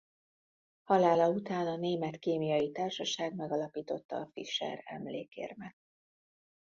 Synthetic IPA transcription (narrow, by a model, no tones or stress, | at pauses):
hɒlaːlɒut̪aːnɒneːmɛt̪keːmijɒjit̪aːrʃɒʃaːɡmɛɡɒlɒpiːt̪o̞t̪ːɒ̰ːfiʃɛ̰ɾɛ̰mleːkḛːrmɛt̪̚